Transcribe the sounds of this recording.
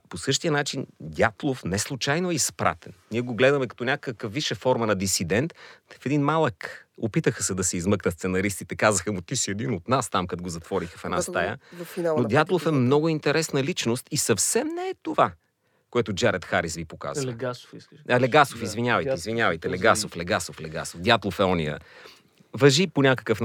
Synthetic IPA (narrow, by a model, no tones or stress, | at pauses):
posɤʃt̪ijənat͡ʃind̪ʲjat̪lˠofnɛslˠut͡ʃajnoɛispɾʔa̰t̪ɛnniɛɡoɡlɛd̪ɐmɛkɐ̥t̪ɔnʲakəkəfviʃɛfɔɾmɐnɐd̪isid̪ɛnt̪fɛd̪inmalˠəkopit̪əxəsɛd̪ɐsɛizmɤknɐst̪sɛnɐɾist̪it̪ɛkazəxəmut̪isiɛd̪inot̪nast̪amkat̪ɡozɐt̪vɔɾixəfɛnast̪ajə̰nnod̪jat̪lˠofɛmnɔɡʊint̪ɛɾɛsnəlit͡ʃnost̪isɐfsɛmnɛːt̪ova | koɛt̪ʊd͡ʒaɾət̪xaɾisvipoka̰z | ɐlɛɡasofizvinʲjavɐj̪izvinʲjavəjt̪ɛlɛɡasoflɛɡasoflɛɡa̰sofd̪jat̪lˠofɛɔnḭjə̰ | vɐʒiponʲakə̥kəfn